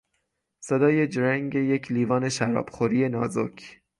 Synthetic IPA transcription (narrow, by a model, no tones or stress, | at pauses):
sed̪ɒːje̞d͡ʒɾæŋɟe̞je̞cʰliːvɒːne̞ʃæɾɒ̰ːb̥xoɾiːe̞nɒːzokʰ